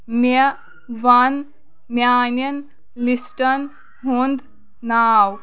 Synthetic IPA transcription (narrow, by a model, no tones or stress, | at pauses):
me | ʋɐn | mjaːnɐn | lisʈɐn | ɦund̪ | naːw